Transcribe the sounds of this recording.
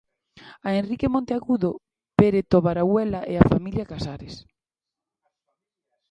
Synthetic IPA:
aenrikemõnt̪eaɣuðo | peɾet̪oβaɾawɛlaʔeafamiljakasaɾes

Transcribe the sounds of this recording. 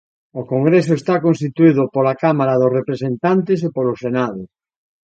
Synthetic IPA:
okoŋɡɾes̬oest̪akonst̪it̪uiðʊpolakamaɾaðosrepɾesẽnt̪ant̪̬es̬epolosenaðʊ

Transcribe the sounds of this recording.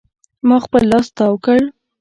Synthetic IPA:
mɑxpəlːɑst̪awəkəɽ

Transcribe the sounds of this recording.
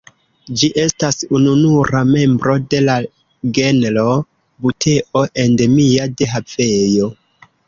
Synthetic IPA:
d͡ʒiʔe̞stasununuɾame̞mbɾo̞de̞la | ɡe̞nlo̞ | butʰe̞ʔo̞ʔe̞ndemiade̞ɦafe̞jo̞

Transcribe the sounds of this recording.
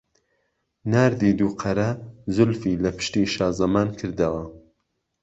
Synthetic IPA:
naːɾd̪iːd̪uːqʰɐɾɐzʊlfiːlɐpɨ̥ʃt̪iːʃaːzɐmaːnkʰɨɾd̪ɐwɐ

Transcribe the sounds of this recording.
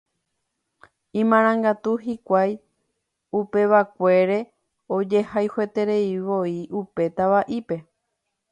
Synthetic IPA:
ĩmãɾ̃ãŋɡat̪uɦikʷaj | upe̞ʋakʷe̞ɾe̞ | o̞d͡ʒe̞hajhe̞t̪e̞ɾe̞iʋo̞iʔupe̞t̪aʋaʔipe̞

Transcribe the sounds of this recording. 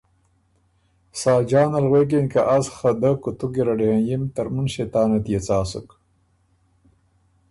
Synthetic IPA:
saːd͡ʒaːnalɣweːk̬enkaʔasxɐd̪ɐkut̪uɡiɾɐɖihẽnjimt̪ɐɾmunɕet̪aːnɐt̪jet͡saːsṵk

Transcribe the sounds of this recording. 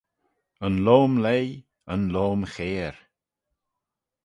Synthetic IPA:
ənloːmlej | ənloːmxeːɾ

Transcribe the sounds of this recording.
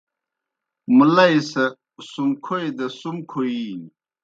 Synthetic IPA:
mulɐjsɐ | sumkʰojd̪ɐsumkʰoi

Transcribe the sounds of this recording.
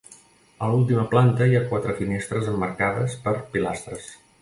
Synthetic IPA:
əlulˠt̪̬iməplant̪əiakwat̪ɾəfinest̪ɾəzəmːəɾkaðəspəɾpila̰st̪ɾəs

